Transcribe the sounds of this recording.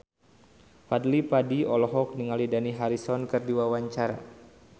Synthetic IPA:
fadlipadiɔlɔɦɔk̚niŋalidaniɦaɾisɔnkɨrdiwawaɲt͡ʃaɾa̰

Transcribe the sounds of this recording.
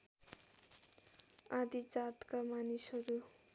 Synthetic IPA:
ad̪id͡zat̪kamanisɦʌɾu

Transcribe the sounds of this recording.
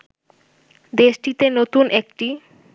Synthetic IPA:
d̪eʃʈit̪enot̪unʔek̚ʈi

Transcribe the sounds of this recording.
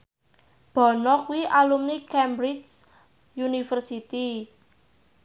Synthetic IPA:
b̥ɔ̤nɔkwiʔalumnikɛmbɾi | junifərsit̪i

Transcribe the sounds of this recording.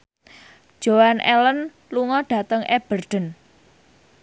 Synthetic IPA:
ʒ̥owanʔɛ̰lən | luŋɔɖ̥ä̤t̪əŋɛb̥ərɖ̥ə̤n

